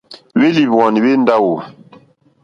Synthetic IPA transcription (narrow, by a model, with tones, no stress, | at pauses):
we˦li˨βɔ˨ni˨we˦n˦da˦wo˨